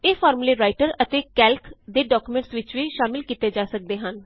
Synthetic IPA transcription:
eːfʰɔːɾmleːɾaːɪʈəɾət̪eːkɛːlkd̪eːɖɔːkumẽɳʈsʋɪt͡ʃʋiːʃaːmɪlkiːt̪eːd͡ʒaːsək̚d̪eːɦən

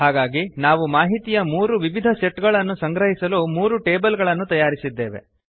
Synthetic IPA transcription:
ɦaːɡaːɡinaːʋumaːɦit̪ijɐmuːɾuʋiʋid̪ʱɐseʈɡɐɭɐnːusɐŋɡɾɐɦisɐlumuːɾuʈeːbɐlɡɐɭɐnːut̪ɐjaːɾisid̪ːe̞ːʋḛ

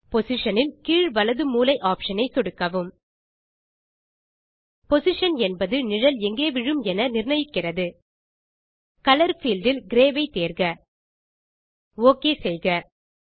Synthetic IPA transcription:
pɔsɪʂɐnɪnkiːɻʋɐlɐðɯmuːlɐɪʔaːpʂɐnɐɪsɔɽɯkːɐʋɯm | pɔsɪʂɐnɛnbɐðɯnɪɻɐlɛŋɡeːʋɪɻɯmɛnɐnɪrnɐjɪkːɪrɐðɯ | kɐlɐɾfiːlɖɪlɡɪɾeːʋɐɪt̪eːrɣɐ | oːkeːsɛjɣɐ

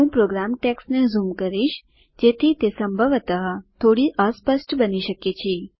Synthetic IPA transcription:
ũːpɾoːɡɾaːmʈeːksnẽzuːmkəɾiʃ | d͡ʒeːt̪ʰit̪esə̃mbʱəʋət̪əɦt̪ʰoːɽiʔəːspəsʈbəniʃəket͡ʃʰi

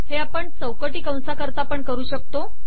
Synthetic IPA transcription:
heapəɳt͡səwkəʈiːkə̃w̃sakəɾt̪apəɳkəɾuːɕək̚t̪o

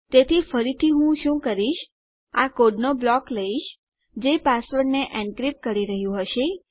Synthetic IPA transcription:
t̪et̪ʰifəɾit̪ʰiɦũʃũkəɾiʃ | akoɖnoblɔkləiʃ | d͡ʒepasʋəɖneʔɛ̃ɳɖkɾip̚kəɾiɾəɦjũɦəʃe

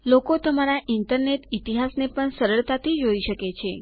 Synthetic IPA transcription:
lokot̪əmaɾaʔinʈ̪əɾneʈit̪iɦasnepəɳsəɾəɭt̪at̪ʰid͡ʒoiʃəket͡ʃʰe

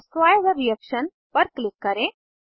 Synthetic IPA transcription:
sʋajzəɾːijəkʃən | pəɾklɪkːəɾẽ

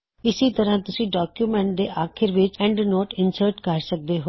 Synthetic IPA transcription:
ɪsit̪əɾãːt̪ʊsĩːɖaːkjuːmɛ̃ɳʈ̚d̪eːʔaːkʰɪɾʋɪt͡ʃɛ̃ːɳɖnoːʈɪnsəɾʈkəɾsək̚d̪eːɦoː

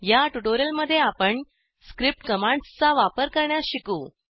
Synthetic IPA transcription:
jaʈuʈoɾəlməd̪ʱːjeapəɳ | skɾip̚ʈkəmãɳst͡saʋapəɾkəɾɳjaɕikuː

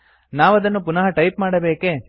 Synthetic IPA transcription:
naːʋɐd̪ɐnːupunɐɦɐʈɐjpmaːɽɐbeːke

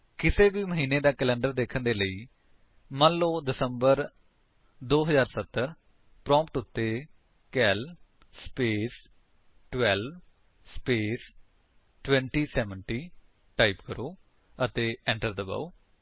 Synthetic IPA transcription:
kɪseːbiːməɦiːneːd̪aːkəlɛ̃ːɳɖəɾd̪eːkʰənd̪eːləiː | mə̃nllːoːd̪ɪsəmbəɾ | d̪oːɦəzaːɾsət̪ːəɾ | pɾɔ̃ːmpʈʊt̪ːeː | kɛːl | speːs | ʈwɛːlb | speːs | ʈwɛ̃ːɳʈiːsɛːʋəɳʈiː | ʈaːipkəɾoː | ət̪eːɛ̃ːɳʈəɾd̪əba̰ːoː

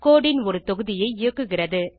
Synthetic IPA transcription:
koːɽɪnɔɾɯt̪ɔɣɯðɪjɐɪɪjɐkːɯɣɪrɐðɯ

